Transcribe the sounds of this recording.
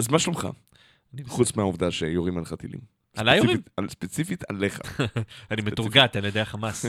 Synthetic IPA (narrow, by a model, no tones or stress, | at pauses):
azmaʃomχa̰ | aniχut͡smeauvd̪aʃejoʁimalχat̪ḭlḭm | alajoʁimspet͡sifit̪ʰaleχa̰animet̪uʁɡat̪anijod̪eaχamas